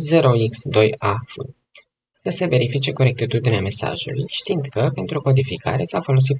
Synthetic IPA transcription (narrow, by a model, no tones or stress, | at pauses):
ze̞ɾo̞iksd̪o̞jafɨ̰ | səse̞ve̞ɾifit͡ʃe̞ko̞ɾe̞k̚t̪it̪ud̪ineame̞sa̰ʒṵlṵjʃt̪ind̪kəpe̞nt̪ɾuko̞d̪ifika̰ɾe̞safo̞lo̞s̬it̪